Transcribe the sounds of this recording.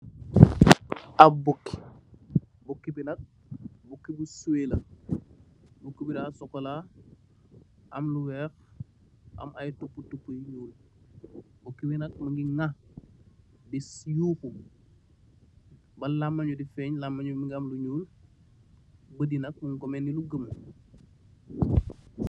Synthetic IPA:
ɐbukːi̥ | bukːibinɐk̚ | bukːibusueːlɐ | bukːibidaːsɔkːɔla | ʔɐmluwɛːx | ʔɐ̰mɐjtupːutupːujɲuːl | bukːibinɐk̚mɐŋɡiŋɐ | disjuːku | bɐlamːɐɲudifɛɲlamːɐɲumiŋɡɐmluɲuːl | bədinɐk̚muŋkɔmɛniluɡəm

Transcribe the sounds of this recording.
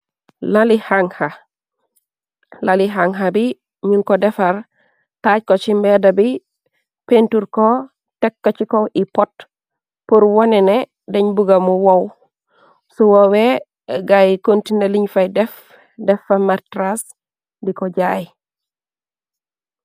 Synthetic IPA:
lalihaŋha | laliɦaŋɦabi | ɲuŋkodɛfaɾ | taɟ̚kot͡ʃimbedabi | pentuɾko | tekːat͡ʃikoipɔt̚ | puɾwonɛne | deɲbuɡamuwow | suwowe | ɡajkontineliɲfajdɛf | dɛfamaɾtɾas | dikoɟaji

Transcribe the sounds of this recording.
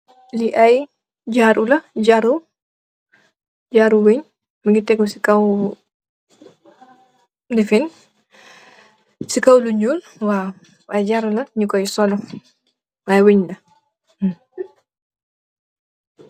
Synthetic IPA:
liʔaj | ɟaɾulɐɟaɾu | d͡ʒaɾuweɲ | miŋɡitɛkːɔsikaw | dɛfin | sikawluɲuːl | wa | ɐjɟaɾulɐɲikɔjsɔlɔ | ajweɲlɐ

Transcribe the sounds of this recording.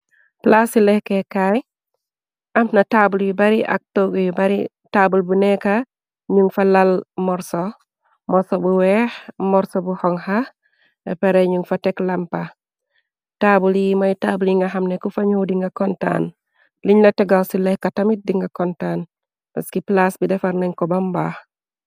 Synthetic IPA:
plasilɛhkekaj | ʔamnataːbuljibaɾiʔa̰k̚toɡjibaɾi | taːbulbunɛka | ɲuŋfalalmɔɾso | mɔɾsobuwɛːhmɔɾsobuhɔŋha | ḛpeɾeɲuŋfateklampa | taːbuljimajitabuliŋɡaɦamnekufaɲuwdiŋɡakɔnta̰ːn | liɲnateɡawsilehkatamit̚diŋɡakontaːn | paskiplasbidɛfaɾnaɲkɔbamba

